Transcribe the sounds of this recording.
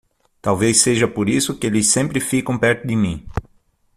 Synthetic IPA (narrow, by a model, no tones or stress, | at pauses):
t̪awveseʒɐpoɾisʊkɪelɪsːẽmpɾɪfikɐ̃w̃pɛɾt̪ʊd̪ɪmĩ